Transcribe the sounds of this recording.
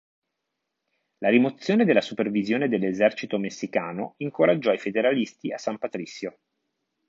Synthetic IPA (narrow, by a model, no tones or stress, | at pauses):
laɾimot̪sːjoːned̪elːasupervizjoːned̪elːezɛrt͡ʃit̪omesːikaːnoiŋkoɾad͡ʒːɔajfed̪eɾalist̪iasːampat̪ɾisːjo